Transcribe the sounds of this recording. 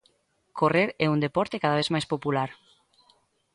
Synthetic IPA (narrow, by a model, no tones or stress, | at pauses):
kʰoreɾɛund̪epɔɾt̪ekaðaβezmajspopulaɾ